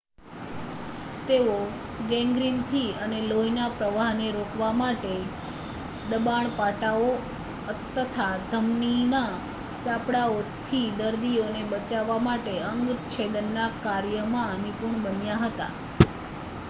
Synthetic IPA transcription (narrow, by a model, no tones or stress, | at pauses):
t̪eʋo | ɡɛ̃ŋɡɾint̪ʰiəneloinapɾəʋaɦneɾokʰʋamaʈe | d̪əbaɳ̃paʈao | ət̪ːət̪ʰad̪ʱəmnina | t͡ʃapɽaot̪ʰid̪əɾd̪ionebət͡ʃaʋːamaʈeəŋɡt̪t͡ʃʰed̪ənːakaɾjəmãənipuɾɳbənjaɦət̪a̰